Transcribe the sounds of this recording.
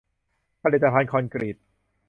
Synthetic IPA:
pʰa˧li˨˩t̪̚ːa˧pʰaː˧nkʰɔː˧nkɾi˨˩t̪̚

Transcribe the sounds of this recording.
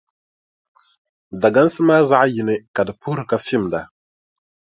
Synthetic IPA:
da˨ɡa˦n˦sə˦ma˦za˦a˦ji˨ne˦ka˨dpu˦ɾka˦fi˦˨mda˨

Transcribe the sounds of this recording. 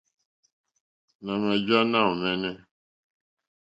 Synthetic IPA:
na˨ma˨d͡ʒa˦na˦˨u˨mɛ˦nɛ˦

